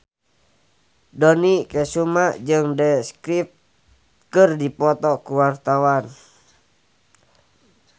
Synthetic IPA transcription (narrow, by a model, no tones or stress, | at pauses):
dɔnikɛsumad͡ʒɨŋdɛskɾip̚t̪ | kɨrdipɔt̪ɔkuwart̪awan